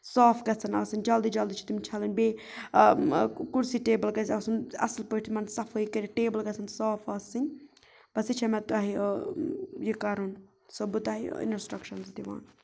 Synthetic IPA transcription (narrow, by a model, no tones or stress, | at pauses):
saːfɡɐt͡sʰɐnɐːsɨnʲd͡ʒɐld̪id͡ʒɐld̪it͡ʃʰi̥t̪imt͡ʃʰɐlɨnʲbeː | kuɽsiʈeːbəlkɐsiɐsɨnɐ̰slpəʈt̪ʰimɐnsɐfʰoːikɐɾʲiʈeːbəlɡɐt͡sʰɐnsaːfʰɐsɨn | bɐsit͡ʃʰɐmɛt̪uaɦi | jikɐɾun | sobɨt̪aɦḭḭnsʈɾɐkʃɐnzd̪iʋa̰ːn